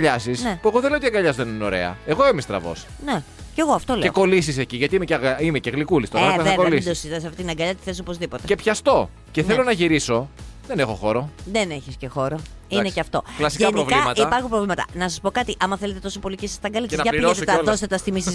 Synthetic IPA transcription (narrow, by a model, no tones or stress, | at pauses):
ʎɐsisnepue̞ɣo̞ðeleot̪iɐɡɐʎɐzðenino̞̰ɾe̞ɐ̰eɣo̞emist̪ɾɐ̰vo̰s | ne | ce̞ɣoɐft̪o̞leeoko̞lisiseciʝɐt̪iimeceɐɣimeceɣlikulist̪oeeɐoelisd̪osiðɐsɐft̪it̪inɐɡɐʎɐt̪i̥θesopo̞zðipo̞t̪e̞epçɐst̪o̞ | ce̞θelo̞nɐʝiɾiso̞ðenexo̞̰xo̞ɾoðeneçiscexo̞ɾoineceɐft̪o̞klɐsiʝeɐnpɾovlkimɐt̪ipɐɾxumpɾovlimɐt̪ɐ̰nɐsɐspo̞kɐt̪iʔɐmɐθele̞t̪e̞t̪o̞sopo̞licesɐ̥st̪ɐɡɐlit̪ɐeset̪ðost̪et̪ɐst̪imisis